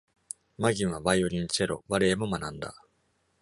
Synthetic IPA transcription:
maɡʲĩɰ̃βaβajo̞ɾʲiɲ̟it͡ɕeɾo̞̰βaɾeːmo̞manãnd̪a̰

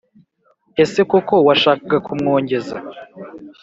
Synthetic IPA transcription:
e̞se̞kuko̞waʃaːkaɡakʰumŋo̞ːɲɟe̞za

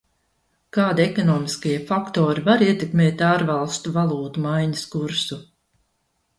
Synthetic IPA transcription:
kaːd̪iɛkɔnɔːmiskajiɛfakt̪oːɾivaɾiɛt̪ekmeːt̪aːɾvalˠst̪uvalˠuːt̪umajɲɐskuɾsu

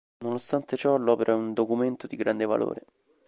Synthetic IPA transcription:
nonost̪ant̪et͡ʃɔlɔːpeɾʔaund̪okument̪od̪iɡɾand̪eva̰lo̰ːɾḛ

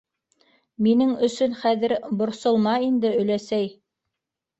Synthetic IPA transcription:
minɘŋɵ̆sɵnχæðɘɾbŏɾsŏlˠmɑind̪ɘɵ̆læsæj

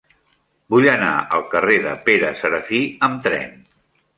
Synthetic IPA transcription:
buʎəna̰əlˠkəreðəpeɾəsəɾəfiəmt̪ɾɛ̰n

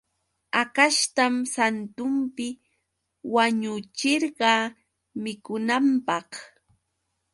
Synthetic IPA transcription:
akaʃt̪amsant̪ʊmpɪ | waɲʊt͡ʃɪɾɢɑ | mɪkʊnampɑχ

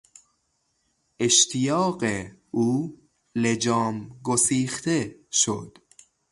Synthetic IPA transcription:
ʔeʃt̪ʰijɒːɢeuː | led͡ʒɒːmɡosiːxt̪ʰeʃo̰d̪̥

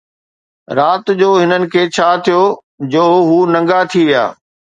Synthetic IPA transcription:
ɾaːt̪d͡ʑoːɦɪnənɪ̆kʰeːt͡ɕʰaːt̪ʰijoː | d͡ʑoːɦuːnɐ̃ŋɡat̪ʰiʋija̰ː

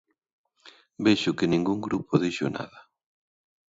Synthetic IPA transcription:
beʃʊkɪnĩŋɡuŋɡɾupʊðejʃʊ̰na̰ðɐ

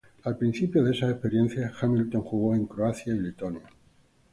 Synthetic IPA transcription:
alpɾĩn̟θipjoðesaehpe̞ɾjẽ̞n̟θjaxamilt̪o̞ŋxuɣ̞o̞e̞ŋkɾoaθjailit̪onja

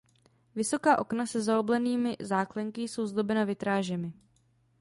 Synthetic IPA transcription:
vɪso̞kaːʔo̞knasɛzaoblɛniːmɪzaːklɛŋkɪso̞wzdo̞bɛnavɪt̪ɾaːʒɛmɪ

